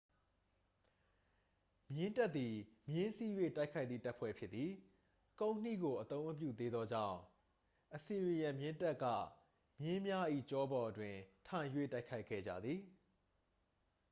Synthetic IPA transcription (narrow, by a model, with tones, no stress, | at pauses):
mjɪ̃˦nta˦t̪ːi˨mjɪ̃˦si˦jwḛ˦˨ta˦ɪkʰa˦ɪt̪ðḭ˦˨ta˦ʔpʰwɛ̰˦˨pʰjɪ˦t̪ːi˨ | kõ˦ʊ̃n̥ḭ˦˨ɡo˨ʔət̪õ˦ʊ̃məp̬jṵ˦˨d̪e˦d̪ðɔ˦d͡ʑã̰˦˨ʊ̃ | ʔəsi˨wi˨jã˨mjɪ̃˦nta˦ʔkːä̰˦˨ | mjɪ̃˦mja˦ʔḭ˦˨t͡ɕɔ˦bɔ˨ʔətwɪ̃˨tʰã˨jwḛ˦˨ta˦ɪkʰa˦ɪkʰːɛ̰˦˨d͡ʑä̰˦˨d̪ði˨